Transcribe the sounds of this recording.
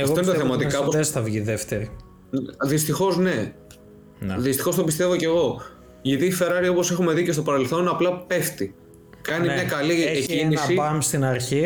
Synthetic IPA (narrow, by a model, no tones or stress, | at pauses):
eɐɣftoinnet̪θɐmɐt̪ikɐoposesθɐvʝiðeft̪eɾi | ðist̪ixo̞zne̞ | ðist̪i̥xo̞st̪opist̪e̞voce̞ɣo̞ | ʝit̪ife̞ɾɐɾio̞po̞se̞xume̞ðicest̪o̞pɐɾe̞lθo̞nɐplɐpe̞ft̪i | kɐnimɲɐkɐlicinisipɐmst̪inɐɾçi